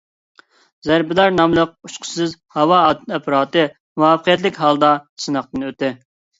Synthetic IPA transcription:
zæɾbɪlɑɾnɑmlˠəq̚uʃqʰʊ̥sɨzhɑwɑɛpʰɾɑːt̪ɨ | muɑfəqʰijɛt̪lɪkʲɦɑlˠd̪ɑsɨnəχ̚t̪ɨnøt̪ːɪ

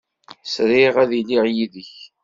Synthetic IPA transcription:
sɾɪʁæðiliʁjiðəç

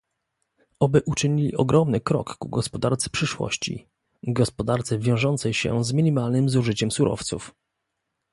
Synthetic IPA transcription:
ɔbɘʔut͡ʂɘɲilʲḭʔɔɡɾɔmnɘkɾɔ̰kːuɡɔspɔd̪aɾt̪sɘ̥pʂɘʂwɔ̰ɕt͡ɕḭ | ɡɔspɔd̪aɾt̪sɛvʲjɔ̃w̃ʐɔnt̪sɛjɕɛ̰zmʲiɲimalnɘmzuʐɘt͡ɕɛmsuɾʔɔ̰ft̪suf

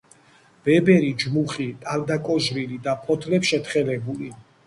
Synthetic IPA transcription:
b̥ɛbɛɾid͡ʒmuχit̪ʼaɾd̪akʼɔʒɾilid̪apʰɔt̪ʰlɛpsʃɛt̪χɛlɛbuli

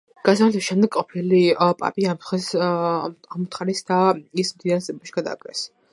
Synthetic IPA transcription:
ɡ̥asamat̪ʰɛsʃɛmd̪ɛɡʼɔpʰilipʼa̰pʼiamt̪χɛs | amut̪ʰχaɾisd̪aismd̪id̪aɾsʼɛbɔbaʃi̥ɡ̥ad̪a̰ːkʼɛ̰s

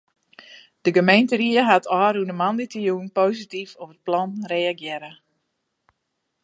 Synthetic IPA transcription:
d̥əɡəmejntəriəɦatʰɔːɾunəmanditəjuənpoːsitifopət̚plɔnreaɡjɪɾə

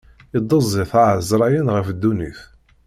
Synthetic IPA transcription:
ɪd̪ˤəzˤːiθaʕəzɾˤɑjənʁəfd̪ːunḭθ

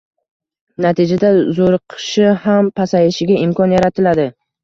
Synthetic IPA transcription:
nat̪ʰid͡ʒad̪azoɾqʰɨʃɪhampʰasajɪʃɪɡʲaɪmkʰɒnjaɾat̪ʰɪlad̪ɪ

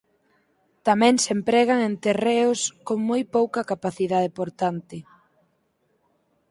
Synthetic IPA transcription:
t̪amɛ̃ŋsempɾɛɣaŋent̪ereʊskoŋmojpowkɐkapaθiðað̞epoɾt̪ant̪ɪ

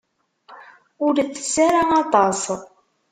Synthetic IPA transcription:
ʊɾθə̥sːaɾaɑt̪ˤɑsˤ

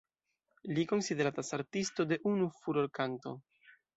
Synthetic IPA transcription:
liko̞nside̞ɾatasaɾtisto̞de̞ʔunufuɾo̞ɾkanto̞̰

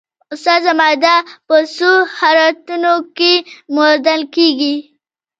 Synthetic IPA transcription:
ʊst̪azamajd̪apəsuhaɾat̪unokemoɾd̪alkeɡi

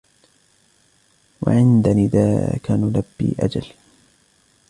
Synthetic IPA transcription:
wa̰ʕɪnd̪anɪd̪aːkanʊlabːḭːʔad͡ʒal

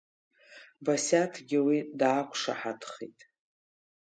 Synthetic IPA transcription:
basʲatʰɡʲɪwidaːkʷʰʂa̰ħatʰχḛtʼ

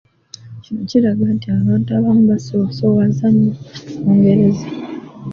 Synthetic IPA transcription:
cinociɾaɡantiaβaːntuaβaːmuβasoso̞βazaɲːumuːŋɡe̞ɾe̞za

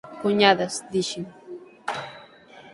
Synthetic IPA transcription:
kʊɲad̪asd̪ɪʃɪŋ

